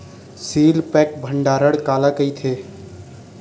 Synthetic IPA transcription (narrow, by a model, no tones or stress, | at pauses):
silpɛkbʱəɳɖaɾəɽkalakəjt̪ʰe